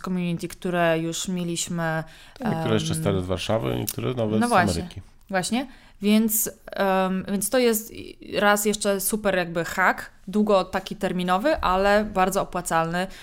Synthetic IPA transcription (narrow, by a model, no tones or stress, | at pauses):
kɔmʲjuɲit̪ʲikt̪uɾɛjuʂmʲjelʲiɕmɘ | kt̪uɾɛjɛt͡ʂɛstt̪aɾɛzvaɾʂavɘ̰ḭkt̪uɾɛ̰navɛnɔvwaɕmɛɾɘɲɛkʲi | vwaɕɲɛ | vʲjɛnt̪s | vʲjɛnst̪ɔjɛst̪ɾasjɛʂt͡ʂɛsupɛɾjaɡ̚bɘxak | d̪wuɡɔt̪akʲit̪ɛɾmʲinɔvɘʔalɛbaɾd̪zɔɔpwat̪salnɘ